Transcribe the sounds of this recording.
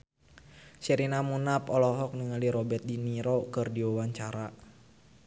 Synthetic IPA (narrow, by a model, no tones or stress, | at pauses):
sɛɾinamunapɔlɔɦɔk̚niŋaliɾɔbɛt̪̚diniɾɔkɨrdiwawaɲt͡ʃaɾa